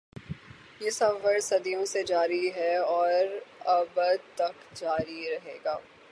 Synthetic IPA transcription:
jesɐbʋəɾsɐd̪ijõsed͡ʒaːɾiɦɛɔːɾɐbəd̪t̪ɐkd͡ʒaːɾiɾɐɦeːɡaː

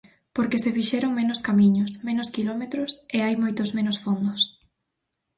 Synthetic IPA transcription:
poɾkesefiʃeɾoŋmenʊskamiɲʊsmẽnʊskilomet̪ɾʊseajmojt̪ʊzmẽnosfond̪ʊs

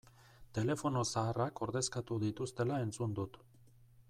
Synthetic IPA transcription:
t̪e̞le̞fo̞no̞saːrako̞ɾðe̞skat̪uðit̪ust̪e̞lae̞nt͡sund̪ut̪

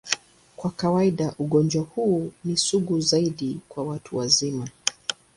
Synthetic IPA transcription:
kwakawaiɗaʔuɠɔnd͡ʒwahuːnisuɡuzaiɗikwawatʰuwazima

